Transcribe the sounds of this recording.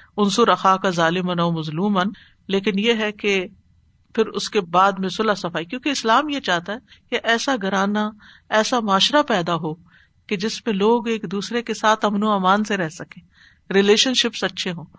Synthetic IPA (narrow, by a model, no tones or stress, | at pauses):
ʊnsuɾɐxaːkazaːlɪmənɔːmɐzluːmən | leːkɪnjeɦɛke | pʰɪɾʊ̰skebaːd̪mẽsʊlasɐfaːikjõːkeɪslaːmjet͡ʃaːɦt̪aɦɛkeʔɛːsaɡɐɾaːna | ɛːsamaːʃɾapɛːd̪aɦoː | ked͡ʒɪsmẽloːɡeːkd̪uːsɾekesaːt̪ʰɐmnuaːmaːnseɾɛɦsɐkẽː | ɾɪleːʃənʃɪpsɐtːʃʰeɦõː